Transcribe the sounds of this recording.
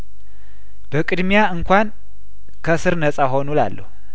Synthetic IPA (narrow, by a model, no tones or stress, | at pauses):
b̥əkʼɨd̪mijaɨŋkʷʰan | kʰəsɨɾnəsʼaɦo̞nula̰lːə̰hu